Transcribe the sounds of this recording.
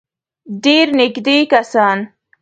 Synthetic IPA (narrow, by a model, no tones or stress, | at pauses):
ɖeɾnɪɡd̪ekasɑn